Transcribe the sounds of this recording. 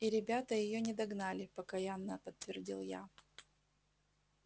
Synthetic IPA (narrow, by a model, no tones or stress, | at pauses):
iɾʲɪbʲat̪əjɪjonʲɪd̪ɐɡnalʲɪpəkɐjanːəpət̪ːvʲɪrdʲilˠja̰